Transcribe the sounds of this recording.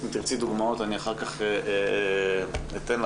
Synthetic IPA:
imt̪iʁt͡sid̪uɡmaot̪aniaχaʁkaχee | it̪enl

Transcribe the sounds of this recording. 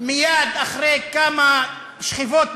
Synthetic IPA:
mijad̪aχʁejkama | ʃχivot̪

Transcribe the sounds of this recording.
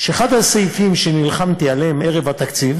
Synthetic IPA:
ʃeːχad̪haseifimʃenilχamt̪ialeeme̞ʁevat̪akt͡siv

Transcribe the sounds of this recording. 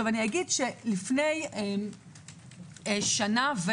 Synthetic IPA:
ovaniaɡidʃelifne̞jem | eʃanave

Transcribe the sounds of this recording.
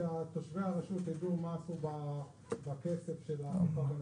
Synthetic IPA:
at̪oʃvehaʁaʃut̪jad̪umaːsuba | bakese̞fʃelafaban

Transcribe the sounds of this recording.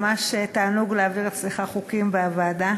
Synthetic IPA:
maʃet̪aːnuɡleaviʁetsliχaχukimbeavaːda

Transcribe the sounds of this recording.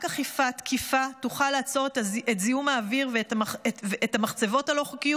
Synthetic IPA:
kaχifatkʰifatuχalaːt͡so̞ʁetaetzijumaːviʁvetmaeveːtamaχt͡se̞vo̞talo̞χukiju

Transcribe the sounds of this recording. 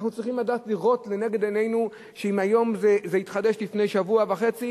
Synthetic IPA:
χnut͡sʁiχimladaːtliʁo̞tle̞ne̞ɡe̞d̪ene̞jnu | ʃeimajo̞mzezeitχad̪e̞ʃlifne̞jʃavuavaχe̞t͡si

